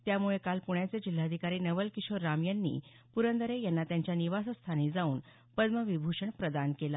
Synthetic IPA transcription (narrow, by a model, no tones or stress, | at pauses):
t̪jamuɭekalpuɳjat͡sed͡ʑil̤ːaəd̪ʱikaɾiːnəʋəlkiɕoɾːamjənːḭː | puɾənd̪əɾejanːat̪jãɲt͡ɕjaniʋasəst̪ʰanid͡zauːn | pəd̪məʋibʱuʂəɳpɾəd̪ankela